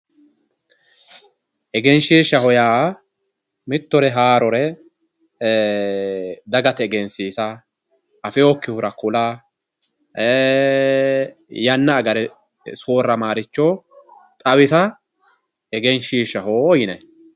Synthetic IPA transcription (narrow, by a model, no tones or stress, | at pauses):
ʔɛɡɛnʃiːʃːɐhɔjaː | mɪt̪ːɔɾɛɦaːɾɔɾɛ | d̪ɐɡɐt̪ɛɛɡɛnsiːsɐː | fɛɔkːɪhʊɾɐkʊla | jɐnːɐːɡɐɾɛ | soːrːɐmaːɾɪt͡ʃːo | t̪ʼɐwɪsɐ | ɛɡɛnʃiːʃɐɦoːɔjɪnɛ